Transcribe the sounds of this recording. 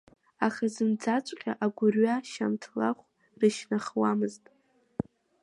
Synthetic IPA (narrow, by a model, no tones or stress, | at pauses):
aχazɨmd͡zat͡ʃʷʼqʲʼaʔaɡʷʊrɥaʃamtʰlaχʷ | rɨʃnaχwamɨztʼ